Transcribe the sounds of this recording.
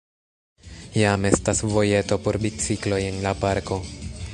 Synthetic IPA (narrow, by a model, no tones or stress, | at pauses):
jame̞stasvo̞je̞to̞po̞ɾbit͡siklo̞je̞nlapaɾko̞